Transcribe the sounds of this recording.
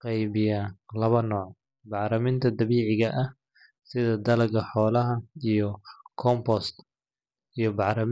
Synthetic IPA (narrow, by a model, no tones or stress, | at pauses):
qɛjβɪjaːlɐβɐnɔːʕ | bɑħɾɐmɪnt̪ʰɐd̪ɐβiːʕɪɣɐʔɐh | sɪðɐd̪ɐlɐɡɐħɔːlɐɦɐijɞkʰɔmpɔst̪ | ijɞbɑħɾɐm